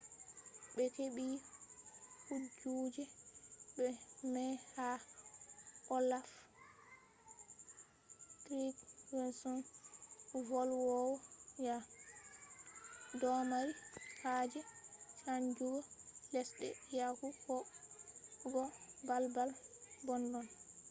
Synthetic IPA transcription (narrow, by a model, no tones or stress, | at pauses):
ɓɛkeɓi | hud͡ʒuːd͡ʒɛɓɛmɛha | ʔɔlaf | tɾiɡwɛnsɔn | vɔlwɔwɔja | dɔmaɾihad͡ʒɛt͡ʃaɲd͡ʒuɡɔlɛsɗɛ̰jahuhɔ | ɡɔbalbalbɔndɔn